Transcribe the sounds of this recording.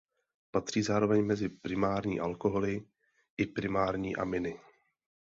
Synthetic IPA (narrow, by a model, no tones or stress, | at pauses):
pat̪r̥iːzaːɾo̞vɛɲmɛzɪpɾɪmaːɾɲḭːʔalkoɦolɪ | ʔɪpɾɪmaːɾɲiːʔa̰mɪnɪ